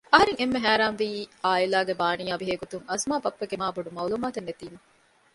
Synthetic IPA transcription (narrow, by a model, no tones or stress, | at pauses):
ɐɦɐɾeŋemːeɦæːɾaːnʋiːʔaːilaːɡebaːnijaːbiɦeːɡot̪uŋɐsmaːbɐpːɐɡemaːbɐɖumɐwluːmaːt̪enːet̪iːmɐ